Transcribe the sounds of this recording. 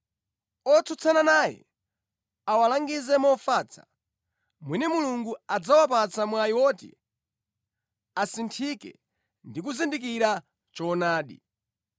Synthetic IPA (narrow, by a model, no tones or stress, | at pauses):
ɔt͡sʰut͡sʰananajɛ̰ | awalaŋɡizɛmɔfaːt͡sʰḁ̰ | mwinɛmuluŋɡuad͡zawapat͡samwaiwɔtḭ | asintʰikɛ̰ | ndik̬uzindik̬iɾa | t͡ʃɔnaːɗḭ